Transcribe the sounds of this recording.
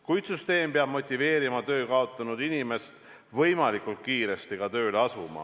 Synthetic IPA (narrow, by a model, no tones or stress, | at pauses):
kujt̪syst̪e̞ːmpeɑb̥mo̞t̪ʲːˑive̞ːɾimɑt̪ø̞ːkɑo̞t̪ːˑɑnud̪inime̞st̪ | vɤ̞jmɑlikˑult̪̚kiːɾe̞st̪iɡ̥ɑt̪ø̞ːleɑsumɑ̰